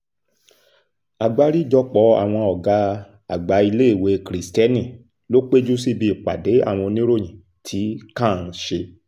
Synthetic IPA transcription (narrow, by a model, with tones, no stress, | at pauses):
a˨ɡ͡ba˨˧ɾi˦d͡ʒɔ˧k͡pɔ˨˦a̰˨w̃ɔ̃˧ɔ˨ɡa˨˧ | a˨ɡ͡ba˨˧˦i˧le˦i˦˨we˨˧kɾi˨stɛ˦nĩ˦˨ | lo˦k͡pe˦d͡ʒu˦si˦˨bi˧˨k͡pa̰˨de˨˦a̰˦˨w̃ɔ̃˧nĩ˦ɾo˦˨j̃ĩ˨ | tʰi˨˦kãː˦˨n̩˦ʃe˧